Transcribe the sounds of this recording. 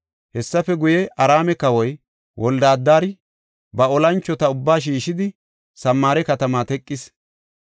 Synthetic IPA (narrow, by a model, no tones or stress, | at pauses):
hɛsːɐfɛɡʊjɛʔɐɾaːmɛkɐwɔj | wʔɔld̪aːd̪ːaːɾɪ | bɐɔlɐnt͡ʃːɔt̪ɐʊbːaːʃ̬iːʃɪd̪ɪ | sɐmːaːɾɛkɐt̪ɐmaːt̪ɛkʼːɪs